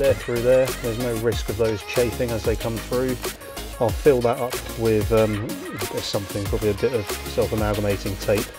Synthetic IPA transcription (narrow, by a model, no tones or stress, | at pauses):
ðəθɹʉːðə˞ðəznəʊɹɪskəvðəʊz̥t͡ʃʰeɪfɪ̃ŋəzðeɪkʰʌ̃mθɹʉː | aɪlˠfɪlˠðətʌp | wɪðʌ̃m | bə̥sʌ̃mθɪ̃ŋpʰɹ̥ɒbəbliəbɪtəv̥sɛlˠfəmaɡəmeɪtɪ̃ŋtʰeɪp